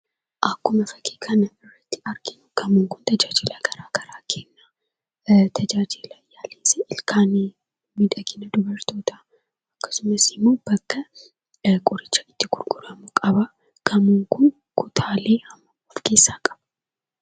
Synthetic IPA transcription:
ʔɐkːʊmɐfɐkʰeːkʰɐnɐɪrːɐt̪ːɪ̥ɐɾɡɪnʊɡ̥ɐmʊŋkʊnt̪ɐd͡ʒaːd͡ʒɪlaɡ̥ɐɾaːɡ̥ɐɾaːkʰeːnːa | t̪ʰɐd͡ʒaːd͡ʒɪlɐjaːleːsɛɪlkʰaːn | mɪd̪ɐɡɪnɐd̪ʊbɐɾt̪oːt̪ɐ | ɐkːɐ̥sʊmɐsɪmːo̞ːb̥ɐkːɐ | kʼʊɾɪt͡ʃːɐɪt̪ːɪɡ̥ʊɾɡʊɾɐmʊkʼɐβa | ɡ̥ɐmuŋkʊn | kʰʊt̪ʰaːleːhɐmːɐɔfke̞ːsːaːkʼɐ̥bɐ

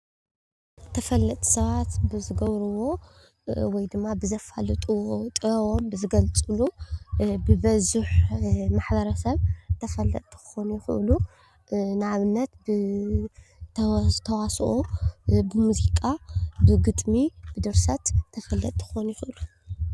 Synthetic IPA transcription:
t̪ʰɐfɐlːɐt̪ʼu̥sɐβat̪bɨzɨɡɐβɾɨwo̞ | wɔjd̪ɨmːabɨzɐfa̰lɨt̪ʼuwot̪ʼɨɐwombɨzɨɡɐlt͡sʼɨlu | bɨbɐzuħmaħbɐɾɐsɐβt̪ʰɐfɐlːɐt̪ʼi̥xɨ̥xo̞nujɪxɨ̰ʔlu | nɨaβɨnːɐt̪bɨ | t̪ʰɐwasʔobɨmuzikʼabɨɡɨt̪ʼmibɨd̪ɨɾsɐt̪ʰːɐfɐlːɐt̪ʼixɨxonujɪxɨʔlu

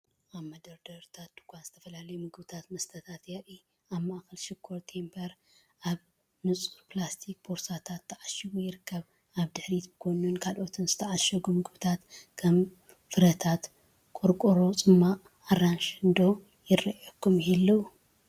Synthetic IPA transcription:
ʔaβmɐd̪ɐɾd̪ɐɾt̪ʰat̪̚d̪̥uɡʰʷanz̥ɨt̪ʰɐfɐlalɐjumɨɡɨbɨt̪ʰat̪mɐst̪ʰɐt̪ʰat̪jaʔi | aβmaʔxɐlʃɪkʰːoɾt̪ʰe̞mbʰɐɾ | ʔaβ | nɨt͡sʼuɾplast̪ʰik̚bʰoɾsat̪ʰat̪ʰːɐʕaʃiβujɪɾɨkːɐβ | ʔaβd̪ɨħɾit̪bɨkʰonunkʰalʔo̞t̪ʰɨnzɨt̪ʰɐʕaʃɐɡumɨɡɨβɨt̪ʰat̪kʰɐm | fɨɾɐt̪ʰat̪ | kʼɨɾkʼuɾot͡sʼɨmːaː | ɾanʃɨnd̪o̞ | jɪrɐʔjokʰːumhilːɐu

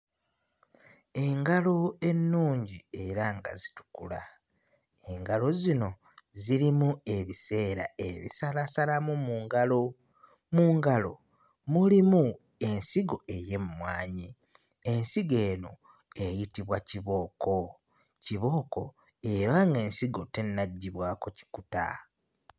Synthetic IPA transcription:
e̞ŋɡalo̞e̞nːuːɲɟieɾaŋɡa̰zitu̥kula | eŋɡalo̞zino̞ | ziɾimue̞βise̞ːɾa̰eβḭsalasalamumuːŋɡalo | muːŋɡalo̞̰ | mulimu | e̞nsiɡo̞e̞je̞mumwaːɲi | e̞nsiɡe̞ːno̞ | e̞jitiβwaciβo̞ːko̞ | ciβo̞ːko̞̰ | eɾaŋɡe̞ːnsiɡo̞te̞nːaɟːiβwaːko̞ci̥kuta̰

